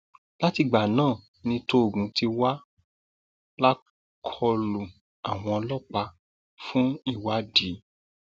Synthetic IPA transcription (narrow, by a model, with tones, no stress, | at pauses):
la˦ti˧ɡ͡ba˨nãː˦˨ | nĩ˧to˦o˨ɡũ˨˦ti˧wa˦ | la˦ | kʰɔ˧lu˨ | a˨w̃ɔ̃˧ɔ˧lɔ˦k͡pa˧ | fũ˦i˦˨wa˧˨di˨˦